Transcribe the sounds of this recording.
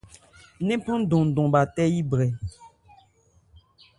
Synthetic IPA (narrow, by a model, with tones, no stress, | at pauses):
nɛ̃˦pɔ̃˦dɔ̃˨dɔ̃˨ba˨tɛ˦ji˦bɾɛ˨